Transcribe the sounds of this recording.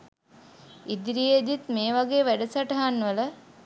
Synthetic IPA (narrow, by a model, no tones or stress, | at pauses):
id̪ɾijed̪it̪meːʋaɡeːʋæɖəsaʈɐɦanʋələ